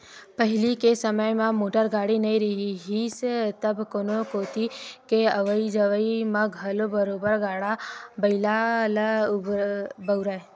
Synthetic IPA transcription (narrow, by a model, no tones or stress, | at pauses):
pəɦɪlikesəməjmãmoːʈəɾɡaːɽinɐĩɾɐɦiɦist̪ɐbkoːnokoːt̪ikeəʋəid͡ʒəʋəimãɡʱɐlobəɾoːbəɾɡaːɽabəɪlal | bəʊɾae